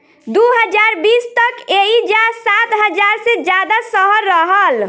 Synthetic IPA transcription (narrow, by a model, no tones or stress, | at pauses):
d̪uɦəd͡ʒaɾbist̪əkeid͡ʒasat̪ɦəd͡ʒaɾsẽd͡ʒad̪asəɦəɾːəɦəl